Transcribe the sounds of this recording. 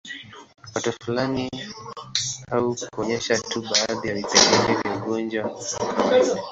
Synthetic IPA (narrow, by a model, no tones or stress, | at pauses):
watɔfulani | aukuɔɲɛʃatuɓaːðijavitɛɡivivjauɡɔnd͡ʒwa